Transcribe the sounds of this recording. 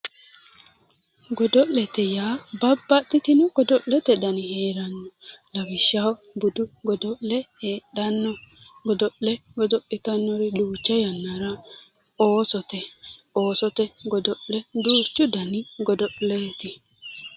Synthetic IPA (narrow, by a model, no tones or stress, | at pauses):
ɡɔd̪ɔʔlɛt̪ɛjaːbɐbːɐt̪ːɪt̪ɪnʊɡ̥ɔd̪ɔʔɛt̪ɛd̪ɐnɪheːɾɐnːɔlɐwɪʃːaw | bʊd̪ʊɡɔd̪ɔlɛheːɗɐnːɔɡɔd̪ɔʔɛɡɔd̪ɔʔɪt̪ɐnːɔɾɪᶑuːt͡ʃːɐjɐnːɐɾɐ | oːsɔt̪ɛoːsɔt̪ɛɡɔd̪ɔʔɛd̪uːt͡ʃːʊd̪ɐnɪɡɔd̪ɔʔleːt̪ɪ